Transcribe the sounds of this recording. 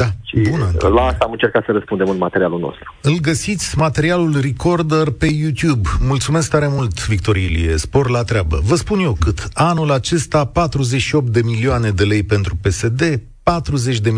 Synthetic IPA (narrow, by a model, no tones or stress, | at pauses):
d̪̥aʃibunəlaast̪aːmɨnt͡ʃe̞rkat̪səɾəspund̪e̞mɨnmat̪eɾialulno̰st̪ɾu̥ɨlɡəsit̪sʲmat̪e̞ɾialulriko̞rd̪ərpe̞jut̪jubmult̪sume̞sk̚t̪aɾe̞mult̪vik̚t̪o̞ɾielḭjḛspo̞rlat̪ɾeabə̰vəspunje̞kɨt̪anulat͡ʃe̞st̪apat̪ɾuze̞t͡ʃʃio̞p̚t̪̚d̪e̞milioane̞d̪e̞le̞jpe̞nt̪ɾupe̞se̞d̪e̞ | pat̪ɾuze̞t͡ʃʲd̪e̞m